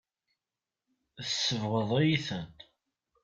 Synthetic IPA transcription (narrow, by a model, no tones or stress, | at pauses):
sːəvʁəðˤejiθənt̪